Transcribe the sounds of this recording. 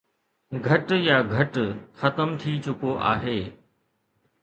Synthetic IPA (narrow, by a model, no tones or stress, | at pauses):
ɡʱɐʈjaːɡʱɐʈxɐt̪əmt̪ʰit͡ɕʊkoʔa̰ːɦeː